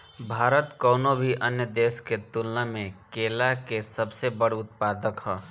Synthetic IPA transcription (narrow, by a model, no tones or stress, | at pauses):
bʱaːɾət̪kəʊnobʱiʔənjəd̪esket̪ulnəmekelakesəbsebəɽʊt̪̚pad̪əkɦə